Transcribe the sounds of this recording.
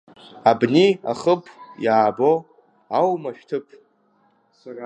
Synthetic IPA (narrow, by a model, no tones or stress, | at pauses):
abnia̰χəpʰʼjaːbo | awmaʃᶣtʰɨpʰ